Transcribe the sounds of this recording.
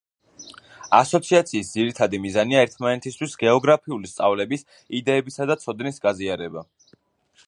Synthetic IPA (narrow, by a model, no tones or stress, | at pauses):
asɔt̪sʰiat̪sʰiːsd̪ziɾit̪ʰad̪imizaniaɛɾt̪ʰmanɛt̪ʰist̪ʰwisɡɛɔɡɾapʰiulist̪sʼavlɛbis | id̪ɛːbisad̪at̪sʰɔd̪nisɡaziaɾɛba